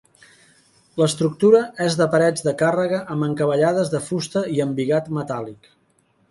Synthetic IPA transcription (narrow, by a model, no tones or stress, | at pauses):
ləst̪ɾuk̚t̪uɾəʔezðəpəɾɛd͡zðəkarəɣəʔəmbəŋkəβəʎaðəzðəfust̪əiəmbiɣat̪mət̪alik